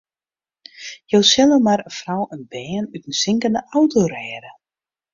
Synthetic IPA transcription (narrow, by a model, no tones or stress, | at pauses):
jowsɛlˠəmaɾəfrawənbɛːnytən̩sɪŋkəndəʔawtoɾɛːɾə